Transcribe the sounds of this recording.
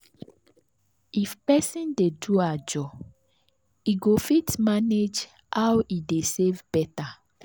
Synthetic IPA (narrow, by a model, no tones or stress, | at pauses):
ifpɛsĩndeduad͡ʒɔ | iɡofitmaned͡ʒ | hawidesevbɛta